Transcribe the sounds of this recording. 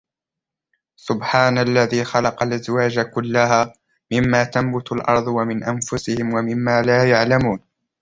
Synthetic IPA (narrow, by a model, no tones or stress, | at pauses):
sʊbħaːnalːaðiːxɑlɑqɑlʔazwaːd͡ʒakʊlːahaː | mɪmːaːt̪ambʊt̪alʔɑ̰ɾˤd̪ˤwamɪnʔanfʊsɪhɪmwamɪmːaːlaːjaʕlamuːn